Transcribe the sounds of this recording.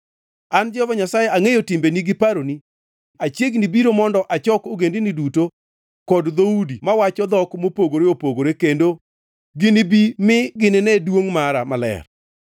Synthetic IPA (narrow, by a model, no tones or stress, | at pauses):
and͡ʒɔvaɲasajeʔaŋejotɪmbeniɡɪpaɾoni | at͡ʃjeɡnibiɾomɔndɔʔat͡ʃɔkoɡendiniduto | kɔdd̪oudimawat͡ʃɔd̪ɔkmopoɡoɾeopoɡoɾekendo | ɡɪnɪbimɪɡɪnɪnɛdwoŋmaɾamalɛ̰r